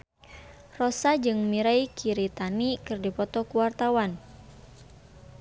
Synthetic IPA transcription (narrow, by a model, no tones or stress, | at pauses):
rɔsad͡ʒɨŋmiɾaikʰiɾit̪anikɨrdipɔt̪ɔkuwart̪awan